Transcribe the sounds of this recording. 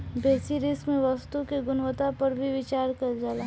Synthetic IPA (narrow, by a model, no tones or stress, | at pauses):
bʱeːsiɾɪskmẽʋɐst̪ukeɡʊnʋət̪apɐɾbʱiʋɪt͡ʃaːɾkɐɾd͡ʒala